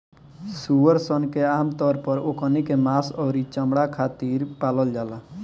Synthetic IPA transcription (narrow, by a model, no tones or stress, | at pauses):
suwəɾsɔnkeaːmt̪ɔɾpɔɾokɔnikemasɔːɾit͡ʃəmɽakʰat̪iɾpalɔld͡ʒaːla